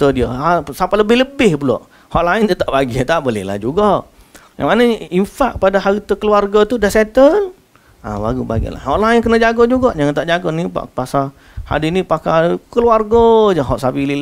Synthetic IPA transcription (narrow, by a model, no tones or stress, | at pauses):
t̪ədiəasapaləbɪləbɪhbulɔ̰ʔ | hɔʔlaɪndət̪aʔbaɡiət̪aʔbolɪ̰hla̰hd͡ʒuɡaʔ | ja̰ŋmanəimfaʔ̚padaɦaɾit̪əkəluarɡat̪udasɛt̪əl | a̰ba̰ɡuba̰ɡḭla̰hɔʔlaɪnkənəd͡ʒaɡod͡ʒuɡaʔd͡ʒaŋant̪aʔd͡ʒaɡonipa̰pasa | ha̰dinipakajkəluarɡəd͡ʒəɦɔʔsabili